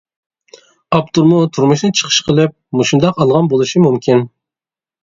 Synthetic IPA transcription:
ɑp̚t̪ʰuɾmʊt̪ʰuɾmuʃnɨt͡ʃʰə̥qʰə̥ʃqʰəlˠɨp̚muʃund̪ɑqɑlˠʁɑnbolˠɨʃimumkʲʰin

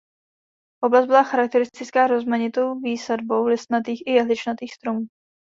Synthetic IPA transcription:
ʔo̞blazbɪlaxaɾak̚t̪ɛɾɪst̪ɪt͡skaːɾo̞zmaɲɪt̪o̞wviːsadbo̞wlɪst̪nat̪iːxɪjɛɦlɪt͡ʃnat̪iːxst̪ɾo̞muː

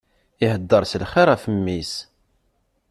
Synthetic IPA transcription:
ihəd̪ːəɾˤsəlχiɾˤæfəmːis

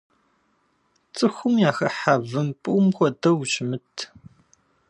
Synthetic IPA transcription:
t͡sʼɨxʷʊmjaːxɐħavɨmpʼɨʔʊmxʷɔdɐwt͡ʃʼɪmɨtʰ

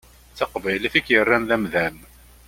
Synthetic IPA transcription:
t͡sːɑqvæjliθikːjərːæmðæmðæm

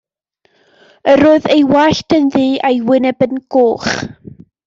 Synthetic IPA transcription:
əɾoːɨðejwaɬtənðiːʔajwɪnɛbənɡ̥oːχ

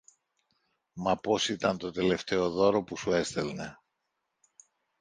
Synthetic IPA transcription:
mɐpo̞sit̪ɐnt̪o̞t̪e̞le̞ft̪e̞o̞ðo̞ɾo̞pusue̞st̪e̞lne̞

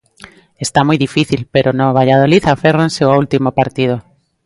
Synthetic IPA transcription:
est̪amujðifiθilpeɾonoβ̞aʎað̞oliθaferanseoult̪imopaɾt̪ið̞o

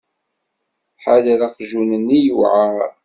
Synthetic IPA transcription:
ħaləɾaqʒunənːijuʕa

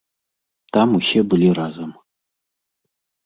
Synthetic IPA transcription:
t̪ɑmuɕebɨlʲiɾazɤm

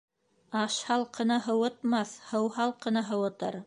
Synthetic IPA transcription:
ɑʃhɑlˠqɤ̆nɤɦɤ̆wɤ̆t̪̚mɑθhɤwɦɑlˠqɤ̆nɑɦɤ̆wɤ̆t̪ɤɾ

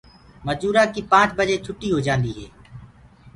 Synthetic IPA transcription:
məd͡ʒuːɾaːkiːpãːt͡ʃbəd͡ʒeːt͡ʃʰʊʈːiːɦoːd͡ʒãːnd̪iːɦɛː

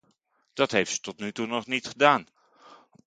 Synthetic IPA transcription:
d̥ɑtɦejftsə̥tɔtnytunɔχnitχədaːn

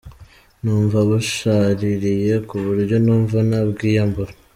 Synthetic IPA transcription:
nuːɱvaβuʃaɾiɾije̞kuβuɾjo̞nuːɱvunabɡiːjambuɾa

